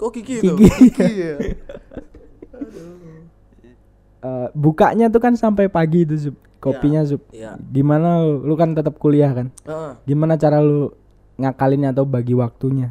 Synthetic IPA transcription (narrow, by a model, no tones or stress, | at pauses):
kiki | əbukaʔɲat̪̬ukansampajpaɡit̪̬us̬ʊp̚kopiɲas̬ʊp̚ɡimanalolukant̪ət̪əp̚kuliahkanɡimanat͡ʃaɾalo | ŋakalɪnɲaːt̪aubaɡiwak̚t̪uɲa